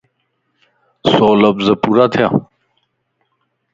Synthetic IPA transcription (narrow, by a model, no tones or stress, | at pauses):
soːlɐbzɐpuɾat̪ʰjã